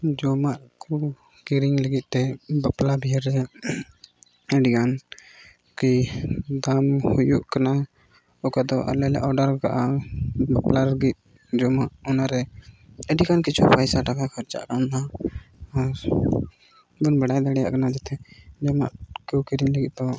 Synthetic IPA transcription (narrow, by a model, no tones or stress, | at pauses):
d͡ʒɔmaʔku | kiɾiŋləɡit̪̚ˀt̪ɛbəplabʱiɾɛ | ɛɖikan | kid̪amhujuʔkana | ɔkad̪ɔʔa̰lɛlɛ̰ʔɔɖəɾka̰ʔabaplaɾəɡit̪̚ | d͡ʒɔmaʔɔnaɾɛɛɖikankit͡ʃʰupʰajsaʈakakʰɔɾt͡ʃa̰ʔkanna | aɾ | ɡunbɛɽajd̪aɽɛja̰ʔkanad͡ʒɛt̪ʰɛd͡ʒɔma̰ʔkukiɾiŋləɡit̪̚ˀt̪ɔ